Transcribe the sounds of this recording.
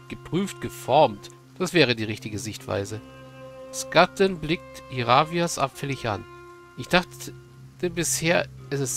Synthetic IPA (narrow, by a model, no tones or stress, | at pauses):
ɡ̥əpʁ̥yːftɡ̥əfɔɐmt | d̥asv̥ɛːʁ̞ədiːʁɪçtɪɡəzɪçtv̥a̰ɪzə | skatʰənblɪk̚thiʁaːviasʔa̰pfɛlɪça̰n | ʔɪçd̥aχ | tʰəbɪsheːɐɛsɪs